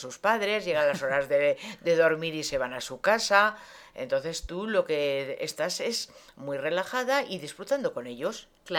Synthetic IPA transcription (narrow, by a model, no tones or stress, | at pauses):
suspaðɾe̞zʝe̞ɣ̞alaso̞ɾazðed̪e̞ðo̞ɾmiɾise̞β̞anasukasa | e̞nt̪o̞nθe̞st̪ulo̞ke̞ḛst̪ase̞z | mwijre̞laxaðaʔiðisfɾut̪and̪o̞ko̞ne̞ʎo̞s